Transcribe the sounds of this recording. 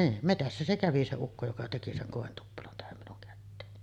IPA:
niːn metæsːæ se kæʋi se ukːo jokɑ teki seŋ koˑentupːelon tæhæm minuŋ kætːeːni

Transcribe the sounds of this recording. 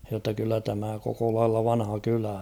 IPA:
jotːɑ kylːæ tæmæ koko lɑilːɑ ʋɑnhɑ kylæ

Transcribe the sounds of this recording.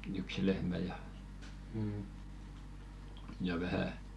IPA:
yksi lehmæ jɑ jɑ ʋæhæ

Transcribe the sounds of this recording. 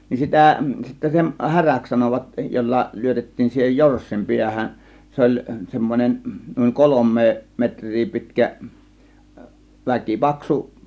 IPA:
nin sitæˑ sitːæ sen hæræks sɑnoʋɑt jolːɑ lyøtetːiːn siːhej jorsːim piæhæn se olʲ semːonʲen nuiŋ kolomˑeː metr̆ʲriː pitkæ ʋækipɑksu

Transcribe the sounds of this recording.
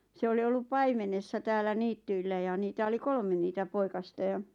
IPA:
se oli olːup pɑimenesːɑ tæːlːæ niːtːyilːæ jɑ niːtæ oli kolme niːtæ poikɑstɑ jɑ

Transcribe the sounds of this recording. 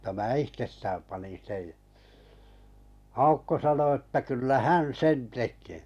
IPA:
m̩tɑ mæː ihtestæːm pɑnin̞ sej jɑ ɑukːo sɑno etːæ kylːæ hæn sen tekˑeː

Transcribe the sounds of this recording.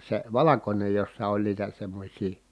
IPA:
se ʋɑlɑkonʲej josːɑ olʲ niːtæ semːosʲiː

